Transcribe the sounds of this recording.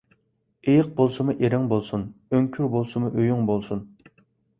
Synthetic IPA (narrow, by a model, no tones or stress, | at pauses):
ejəq̚bolˠsɨmuʔeɾɪŋbolˠsunøŋkʲʰyɾbolˠsɨmuʔøjyŋbolˠsun